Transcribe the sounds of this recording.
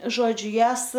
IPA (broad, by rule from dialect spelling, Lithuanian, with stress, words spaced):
ˈʒoːd͡ʒʲʊ ˈjæːs